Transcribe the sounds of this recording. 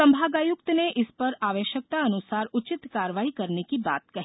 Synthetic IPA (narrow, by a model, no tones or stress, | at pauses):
ɐ̃mbʱaːɡaːjʊkt̪neʔɪspɐɾaːʋeːʃjək̚t̪aɐnʊsaːɾʊt͡ʃɪt̪kaːɾəʋaːikɐɾnekiba̰ːt̪kɐɦ